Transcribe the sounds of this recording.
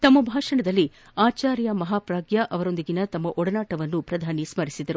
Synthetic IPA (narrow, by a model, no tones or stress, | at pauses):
t̪ɐmːɐbʱaːʂɐɳɐd̪ɐlːi | aːt͡ʃaːɾjɐmɐɦaːpɾaːɡjɐʔɐʋɐɾo̞nd̪iɡinɐt̪ɐmːɐʔɔɽɐnaːʈɐʋɐnːupɾɐd̪ʱaːnismɐɾisid̪ɐɾu